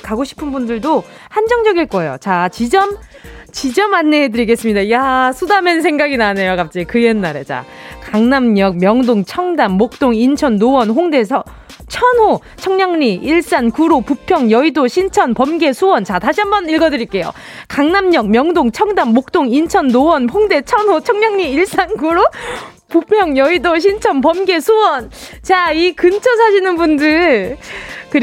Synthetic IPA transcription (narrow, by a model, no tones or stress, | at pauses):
kaɡoɕʰi̥pʰɯnbundɯɭdo | hand͡ʑʌŋd͡ʑʌɡiɭk͈ʌejo̰t͡ɕat͡ɕid͡ʑʌm | t͡ɕid͡ʑʌmanːehedɯɾiɡe̞s͈ɯmɲidajasʰudamensʰe̞ŋɡaɡinane̞jokap̚t͡ɕ͈ikɯjenːaɾe̞t͡ɕa̰kaŋnamɲʌk̚mjʌŋdoŋt͡ɕʰʌŋdamːok̚t͈oŋint͡ɕʰʌnːowʌnɦoŋde̞sʰʌ | t͡ɕʰʌnho | t͡ɕʰʌŋɲaŋɲiiɭs͈ankuɾopupʰjʌŋjʌidoɕʰint͡ɕʰʌnpʌmɡe̞sʰuwʌnt͡ɕataɕʰiɦambʌniɭɡʌdɯɾiɭk͈e̞jo̰ | kaŋnamɲʌk̚mjʌŋdoŋt͡ɕʰʌŋdamːok̚t͈oŋint͡ɕʰʌnːowʌnɸoŋde̞t͡ɕʰʌnɦot͡ɕʰʌŋɲʌŋɲiiɭs͈ankuɾo | pupʰjʌŋjʌidoɕ̬ʰint͡ɕʰʌnpʌmɡe̞sʰuwʌnt͡ɕaikɯnt͡ɕʰʌsʰaɕʰinɯnbundɯɭ | kɯɾ